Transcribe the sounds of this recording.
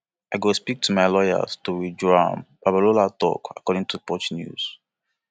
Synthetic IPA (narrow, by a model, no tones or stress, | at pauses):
aɪɡospik̚tʰumaɪlɔjə̰z̥tuɹidɹɔmbabaɹolatɔ̰ka̰kɔɾĩŋtʰupɔt͡ʃnjṵz̥